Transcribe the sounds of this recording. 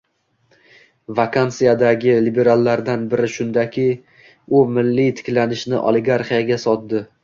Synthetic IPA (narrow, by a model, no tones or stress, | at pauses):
vakʰant̪sɨjad̪aɡʲɪlibe̞ɾalˠːaɾd̪anbɪɾɪʃʊnd̪akʲʰɪ | ʊmɪlːit̪ʰɪ̥kʲlanɪʃnɪʔɒ̰lɪɡaɾχijaɡʲasɒt̪̚d̪ɪ